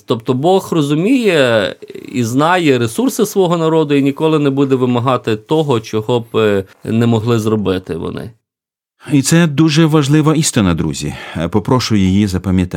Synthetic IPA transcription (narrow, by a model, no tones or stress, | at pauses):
t̪ɔpt̪ɔbɔxrɔzʊmʲijɛ | ḭznɑjɛɾesursɪsʋɔɦɔnɐɾɔd̪ʊinʲikɔlˠɪnɛbud̪ɛʋɪmɐɦɑt̪ɪt̪ɔɦɔt͡ʃɔɦɔbnɛmɔɦlˠɪzrɔbɪt̪ɪʋɔ̰nɪ̰ | it̪sɛd̪uʒɛʋɐʒlˠɪʋɐist̪ɪnɐd̪ɾṵzʲḭpɔpɾɔʃʊjijizɐpɐmʲjɐt̪